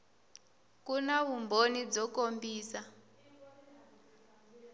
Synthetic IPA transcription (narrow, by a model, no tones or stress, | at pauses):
k̬unaβumbʱonid͡zɔk̬ombʱiːsa